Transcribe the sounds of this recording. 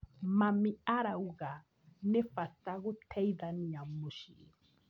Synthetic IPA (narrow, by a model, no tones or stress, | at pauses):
mamiaɾauɣa | nɛfat̪aɣʊt̪ʰɛiðaniamuʃḭɾ